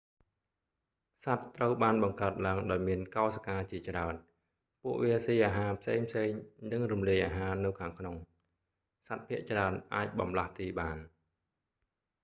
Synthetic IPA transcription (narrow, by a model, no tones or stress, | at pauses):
sat̪ːrəwɓaːnɓɑŋkaət̪̚laəŋɗaɔjmiənkaɔskaːt͡ɕiət͡ɕraən | puəʔʋiəsiːʔaːɦaːpʰseːŋpʰseːŋnɨŋrumliəjʔaːɦaːnɨwkʰaːŋkʰnoŋ | sat̪̚pʰĭəʔt͡ɕraənʔaːc̚ɓɑmlaht̪iːɓaːn